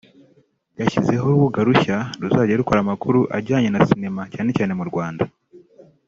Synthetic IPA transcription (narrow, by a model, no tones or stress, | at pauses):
jaçize̞ɦoβuɡaɾuçaɾuzaːɟiɾaɾukoɾamakuɾuʔaɾɟaːɲenasine̞macaːne̞caːne̞muɾɡwaːnda